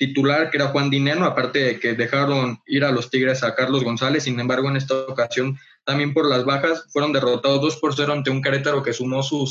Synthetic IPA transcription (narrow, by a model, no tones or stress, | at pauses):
t̪it̪ulaɾkee̞ɾaxwand̪inenoapaɾt̪e̞ðe̞ke̞ðe̞xaɾo̞niɾalo̞st̪iɣɾe̞sakaɾlo̞zɣo̞nsale̞sːinembaɾɣ̞o̞ene̞s̬t̪aokasjo̞n | t̪ambje̞mpo̞ɾlazβaxasfwe̞ɾo̞nd̪e̞ro̞t̪að̞o̞zðo̞spo̞ɾs̬e̞ɾoant̪e̞uŋkaɾet̪aɾo̞ke̞sumo̞su